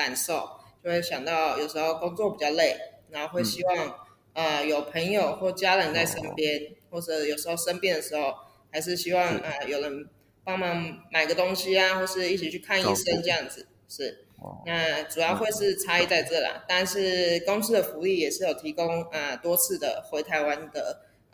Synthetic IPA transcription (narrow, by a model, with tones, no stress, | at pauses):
ka˨˩nʂo˥˩ʊt͡ɕjo˥˧ʊxwe˥˩ɪɕjɑ˨˩ŋt̪ɑ˥˩ʊjo˨˩ʊʂɻ̩˧˥xo˥˧ʊkʊ˥ŋt͡swɔ˥˩pi˨˩t͡ɕjɑ˥˧ʊle˥˩ɪna˧˥o˥˧xwe˥˩ɪɕi˥wɑ˥˩ŋ | ə˨˩jo˨˩ʊpʰə˧˥ŋjo˨˩ʊxwɔ˥˩t͡ɕja˥lə˧˥nt͡sa˥˩ɪʂə˥npjɛ˥nxwɔ˥˩ʈ͡ʂɤ˧˥jo˨˩ʊʂɻ̩˧˥xo˥˩ʊʂə˥npjɛ˥˩nd̪ə˨˩ʂɻ̩˧˥xo˥˩ʊ | xa˧˥ɪʂ̬ɻ̩˥˩ɕi˥wɑ˥˩ŋə˨jo˨˩ʊlə˧˦n | pɑ˥˩ŋmɑ˥˩ŋma˨˩ɪɡə˩t̪ʊ˥ŋɕi˧a˨xwɔ˥˧ʂɻ̩˥˧i˥˩ʈ͡ʂi˨˥t͡ɕʰy˥˩kʰa˥˧ni˥˩ʂə˥nʈ͡ʂɤ˥˧jɑ˥˩ŋd͡zɹ̩˨˩ | ʂɻ̩˥˩ | na˥˧ʈ͡ʂu˨˩jɑ˥ʊxwe˥˧ɪʂɻ̩˥˩ʈ͡ʂʰa˥i˥˧t͡sa˥˧ɪʈ͡ʂɤ˥˩la̰˨˩t̪a˥˧nʂɻ̩˥˩ko˥ŋt͡s̩ʰ˥˩d̪ə˩fu˧˥i˥˩jɛ˨˩ʂɻ̩˥˩jo˨˩ʊt̪ʰi˧˥kʊ˥ŋə˩t̪wɔ˥t͡sʰɹ̩˥˩d̪ə˩xwe˧˥ɪt̪ʰa˧˥ɪwa˦˥nd̪ə˨